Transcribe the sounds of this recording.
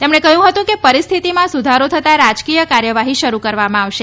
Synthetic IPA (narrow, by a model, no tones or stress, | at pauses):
t̪emɳekəɦjũɦət̪ũkepəɾist̪ʰit̪imãsud̪ʱaɾot̪ʰət̪aɾad͡ʒkijəkaɾjəʋaɦiʃəɾukəɾʋamãaʋʃe